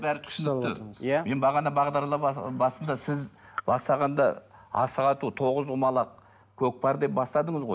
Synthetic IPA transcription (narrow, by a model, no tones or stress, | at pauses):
bæɾɪt̪ʰʏ̥sənt̪ɪme̞nbɑʁɑnɑbɑʁd̪ɑɾlˠɑbɑsənd̪ɑsɪz | bɑst̪ɑʁɑnd̪ɑ̰ɑ̰səʁɑt̪ut̪ʰo̞ʁəzʊmɑlˠɑq̚ | kʲʰɵk̚pʰɑɾd̪e̞p̚bɑst̪ɑd̪əɴəzʁo̞j